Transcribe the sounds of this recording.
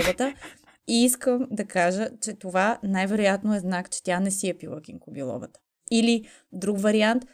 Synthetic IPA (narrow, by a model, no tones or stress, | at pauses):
bət̪ə | iiskəmd̪ɐkaʒət͡ʃɛt̪ovanajvɛɾojat̪noɛznakt͡ʃɛ̥t̪janɛsiɐpilˠəkiŋkʊbilˠɔ̰bət̪ə̥ | ili | d̪ɾukvɐɾiant̪